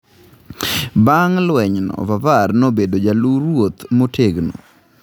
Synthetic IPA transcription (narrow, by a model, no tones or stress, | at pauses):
baŋlwɛɲnɔ̰vavarnobedod͡ʒaluɾwot̪motʰeɡno̰